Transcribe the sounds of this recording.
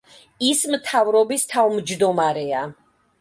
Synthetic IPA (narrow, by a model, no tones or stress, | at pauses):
ismt̪ʰavɾɔbist̪ʰavmd͡ʒd̪ɔmaɾɛa